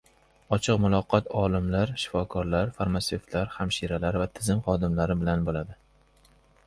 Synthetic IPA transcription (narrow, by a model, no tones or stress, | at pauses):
ɒt͡ʃʰɨqmʊlˠɒqʰɒt̪ʰɒlˠɪmlaɾʃɪ̥fɒkʰɒɾlaɾfaɾmaseft̪ʰlaɾhamʃiɾalaɾvat̪ʰɪzɪmχɒd̪ɪmlaɾɪbɪlanbolad̪ɪ